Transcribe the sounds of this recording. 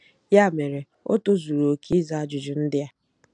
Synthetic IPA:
ja˦˨me˨ɾe˨ | o̰˦to˦zu˨ɾo˨ki˦za˨a˦d͡ʒʊ˨d͡ʒʊ˨n̩˦dɪ˦a˦

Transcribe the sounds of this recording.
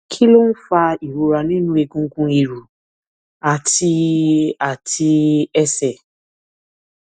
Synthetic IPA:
kʰi˦lo˦n̩˦fa˧i˨ɾu˨ɾa˧nĩ˦nũ˦e˧ɡũ˧˦kũ˧i˨ɾu˨ | a˨ti˧a˨tʰi˧ɛ˧sɛ˨

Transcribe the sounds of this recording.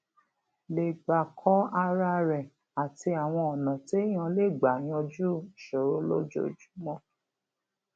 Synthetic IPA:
le˨ɡ͡ba˨kʰɔ˦a˧ɾa˧ɾɛ˨ | a˨ti˧a˨w̃ɔ̃˧ɔ˨nã˨te˦j̃ã˧le˦˨ɡ͡ba˨j̃ɔ̃˧d͡ʒu˦˨ʃo˨ɾo˦lo˦d͡ʒo̰˦˨d͡ʒu̥˨˦mɔ̃˦

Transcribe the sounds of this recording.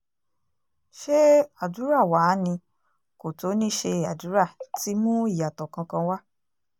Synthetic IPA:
ʃe˦a˦˨du˨˦ɾa˦˨wa˨˦nĩ˧ | ko˨to˨˦nĩ˦ʃe˧a˨du˨˦ɾa˦˨ti˨˦mũ˦i˦˨ja˨tɔ˨kã˧kã˧wa˦

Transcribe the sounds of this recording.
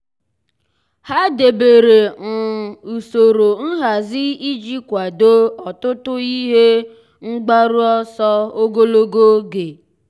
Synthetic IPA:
ha˦de˨be˨ɾe˨ŋ̩˨u˨so˨ɾo˨n̩˦ɦa˨zɪ˦i˦d͡ʒi˦kʷa˨do˦ɔ˨tʊ˦tʊ˦i˦ɦe˦ | ŋ͡m̩˦ɡ͡ba˦ɾu˦ɔ˦sɔ˦o˦ɡo˦lo˦ɡo˦ɡe˨

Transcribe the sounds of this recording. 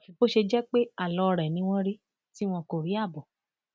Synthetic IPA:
bo˦ʃe˧d͡ʒɛ˦k͡pe˦a˦˨lɔ˨˧ɾɛ˨nĩ˨˦w̃ɔ̃˦ɾi˦ | ti˦w̃ɔ̃˧ko˦˨ɾi˨˦a˦˨bɔ˨

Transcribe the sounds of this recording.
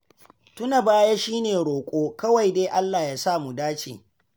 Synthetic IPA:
tʊ˦na˨baː˦ja˦ʃiː˦neː˨ɽoː˨kʷʼoː˦kɐ˦wa˨jdeː˦ʔa˦lːaː˨jaː˦saː˦˨mu˨daː˦t͡ʃḭː˨

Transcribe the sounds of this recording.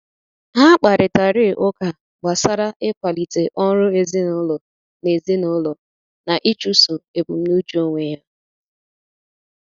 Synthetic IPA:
ɦa˦k͡pa˨ɾɪ˨ta˨ɾɪ˦˨ʔʊ˦ka˨ | ɡ͡ba˨sa˦ɾa˦ʔe˦kʷa˨li˨te˨ʔɔ˦n˦ɾʊ˦e˨zi˦nʊ˦lɔ˨ | ne˨zi˦nʊ˦lɔ˨ | na˨ʔi˦t͡ʃu˦so˨e˨bu˨m̩˦nu˦d͡ʒu˦o˦ŋʷe˨ja˦

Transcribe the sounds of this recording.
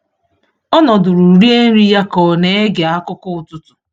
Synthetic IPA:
ɔ˦nɔ˨dʊ˨ɾu˨ɾi˦e˦n̩˦ɾi˦ja˦kɔ˨ne˦e˦ɡe˨a˦kʊ˦kʊ˦ʊ˨tʊ˦tʊ̥˨

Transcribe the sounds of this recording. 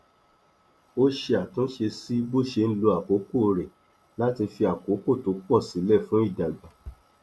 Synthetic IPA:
o˦ʃe˧a˨tũ˦ʃe˧si˦bo˦˨ʃe˧n̩˦lo˧a˨ko˨˦ko˦˨ɾɛ˨ | la˦ti˧fi˧a˨ko˨˦ko˦˨to˨˦k͡pɔ˦˨si˨˦lɛ˦˨fũ˨˦i˦˨da˨ɡ͡ba˨˦

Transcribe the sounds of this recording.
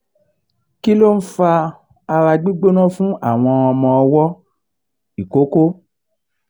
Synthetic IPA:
ki˦lo˦n̩˦fa˧ | a˧ɾa˧ɡ͡bi˦ɡ͡bo˦nɔ̃˦fũ˦a̰˦˨w̃ɔ̃˧ɔ˧mɔ̃˧ɔ˧wɔ˦ | i˨ko˨˦ko˦

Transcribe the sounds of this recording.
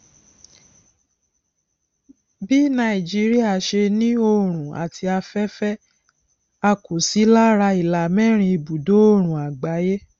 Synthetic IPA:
bi˦nã˧˦i˨d͡ʒi˦ɾi˦a˦˨ʃe˧nĩ˦o˧ɾ̃ũ˨a̰˨tʰi˧a˧fɛ˦fɛ˦ | a˧ko˨si˨˦la˦ɾa˧i˨la˨mɛ̃˦˨ɾ̃ĩ˧i˧˨bu˨do˨˦o˦˨ɾ̃ũ˨a˨ɡ͡ba˨˦je˦

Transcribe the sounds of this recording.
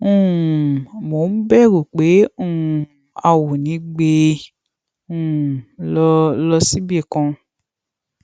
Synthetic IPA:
ũ˦˨ | mo˨n̩˦bɛ˦˨ɾu˨k͡pe˨˦ũ˦˨ | a˧wo˨nĩ˨˦ɡ͡be˧ | ũ˦˨lɔ˧lɔ˧si˦bi˦ɛ˦˨kã˧

